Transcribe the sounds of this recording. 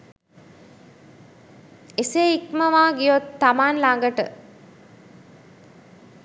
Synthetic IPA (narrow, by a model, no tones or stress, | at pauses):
eseikməʋaːɡijot̪ːamaːnlaŋɡəʈə